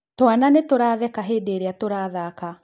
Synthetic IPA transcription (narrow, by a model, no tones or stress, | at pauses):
twananetoɾaðɛkaɦeːdeːɾeatoɾaːðaka